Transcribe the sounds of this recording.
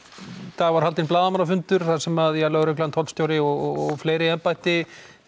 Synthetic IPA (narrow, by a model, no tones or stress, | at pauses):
θavaɾ̥halt̪ɪnplaːðamanafʏnt̪ʏɾ̥θasɛmaðjalœɣɾʏhklaant̪ʰɔlst̪joːwɾɪɔɣɔɣɣfleːjɾɪɛmpajht̪ɪ